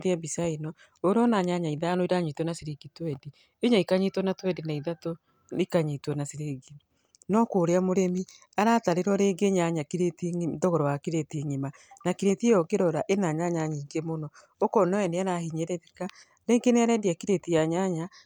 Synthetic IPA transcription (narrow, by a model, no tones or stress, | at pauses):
ðeabisainɔ | oɾɔnaɲaɲaiðaanoiɾaɲitwɔnaseɾeɡitwɛdi | eɲaikaɲitwɔnatwɛdenaiðato | ikaɲetwɔnaseɾeɡi | nɔkoːɾeamoɾemi | aɾataɾeɾwɔɾeɡeɲaɲakiɾetiŋdɔɣɔɾɔwakiɾeteŋima | nakiɾetiejɔɡeɾɔɾaʔenaɲaɲaɲiːŋɡemonɔ | okɔnɔɛneaɾahiɲeɾeɾeka | ɾeːɡeneaɾɛdiakiɾetiaɲaɲa